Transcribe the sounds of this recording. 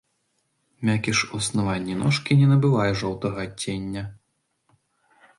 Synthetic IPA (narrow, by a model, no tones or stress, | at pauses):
mʲakʲiʂuɐsnavanʲːinɔʂkʲinʲɛnɐbɨvajɛʐɔwt̪ɐɣɐɐt͡sʲːenʲːɐ